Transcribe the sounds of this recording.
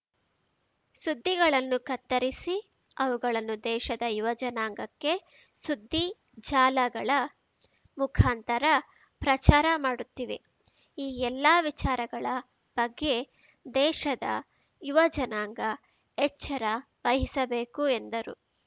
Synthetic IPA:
sud̪ːiɡɐɭɐnːukɐt̪ːɐɾisi | ɐʋuɡɐɭɐnːud̪ɛːʃɐd̪ɐjuʋɐd͡ʒɐnaːŋɡɐkːe̞ | sud̪ːi | d͡ʒaːlɐɡɐɭɐ | mukʰaːnt̪ɐɾɐ | pɾɐt͡ʃaːɾɐmaːɽut̪ːiʋe̞̰ | iːɛlːaːʋit͡ʃaːɾɐɡɐɭɐ | b̥ɐɡːe̞ | d̪ɛːʃɐd̪ɐ̰ | juʋɐd͡ʒɐnaːŋɡɐ | ɛt͡ʃːɐɾa | ʋɐɦisɐbe̞ːkuend̪ɐɾṵ

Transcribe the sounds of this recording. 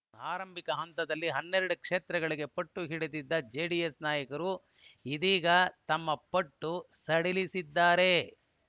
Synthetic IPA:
aːɾɐmbʱikɐɦɐnt̪ɐd̪ɐlːiɦɐnːeɾɐɽukʂeːt̪ɾɐɡɐɭiɡe̞pɐʈːuɦiɽed̪id̪ːɐd͡ʒeːɖijesnaːjɐkɐɾu | id̪iːɡɐt̪ɐmːɐpɐʈːusɐɽilisid̪ːaːɾe̞

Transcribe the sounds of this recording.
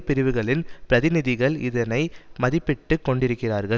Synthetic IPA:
pɪɾɯʋɯɣɐɭɪnpɪɾɐðɪnɪðɪɣɐɭɪ̰ðɐnɐɪmɐðɪpːɪʈːɯkːɔɳɖɪɾɯkːɪraːɾɣɐɭ

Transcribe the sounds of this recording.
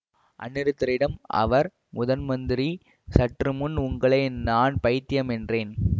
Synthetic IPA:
ʔɐ̰nːɪɾɯt̪ːɐɾɪɽɐmɐ̰ʋɐɾ | mʊðɐnmɐnd̪ɪɾi | sɐʈrɯmʊnʊŋɡɐɭɐɪnaːnpɐjt̪ːɪjɐmɛndreːn

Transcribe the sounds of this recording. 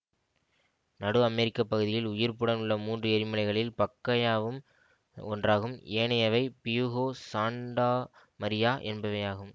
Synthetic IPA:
nɐɽɯɐmɛɾɪkːɐpːɐɣɯðɪjɪlʊjɪɾpɯɽɐnɯɭːɐmuːndrɯɛɾɪmɐlɐɪɣɐɭɪlpɐkːɐjaːʋɯm | ɔndraːɣɯmeːɳɐjɐʋɐɪpɪjuɣoːsaːɳɖaː | mɐɾɪjaːʔɛnbɐʋɐjaːɣɯm

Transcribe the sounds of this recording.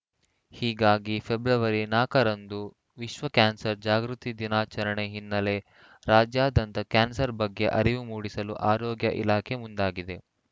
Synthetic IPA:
hiːɡaːɡipʰebɾɐʋɐɾinaːkɐɾɐnd̪u | ʋiʃʋɐkaːnsɐɾd͡ʒaːɡɾut̪id̪inaːt͡ʃɐɾɐɳeɦinːɐle̞ | ɾaːd͡ʒjaːd̪ɐnt̪ɐkaːnsɐɾbɐɡːe̞ʔɐɾiʋumuːɽisɐluʔaːɾɔːɡjɐʔḭlaːkʰe̞mund̪aːɡid̪e̞

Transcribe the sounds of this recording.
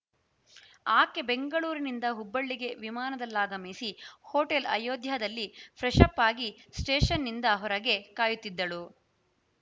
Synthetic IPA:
aːkːe̞be̞ŋɡɐɭuːɾinind̪ɐɦubːɐɭːiɡe̞ʋimaːnɐd̪ɐlːaːɡɐmeːsihoːʈelɐ̰joːd̪jɐɐd̪ɐlːipʰɾɛʂɐpːaːɡisʈeːʃɐnːind̪ɐɦɔɾɐɡe̞kaːjut̪ːid̪ːɐɭu

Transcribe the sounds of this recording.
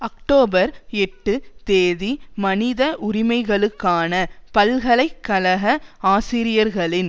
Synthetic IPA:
ɐk̚ʈoːbɐɾɛʈːɯt̪eːðimɐnɪðɐʔʊɾɪmɐɪɣɐɭɯkːaːnɐpɐlɣɐɭɐɪkːɐlɐɣɐaːsɪɾɪjɐɾɣɐɭɪn

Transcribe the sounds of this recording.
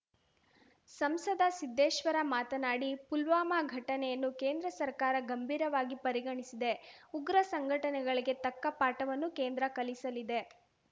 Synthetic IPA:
sɐmsɐd̪ɐsid̪ːeːʃʋɐɾɐmaːt̪ɐnaːɽipulʋaːmaɡʱɐʈɐnɛjɐnːukeːnd̪ɾɐsɐɾkaːɾɐɡɐmbʱiːɾɐʋaːɡipɐɾiɡɐɳisid̪e̞uɡɾɐsɐŋɡʱɐʈɐnɛɡɐɭiɡe̞t̪ɐkːɐpaːʈɐʋɐnːukeːnd̪ɾɐkɐlisɐlid̪e̞

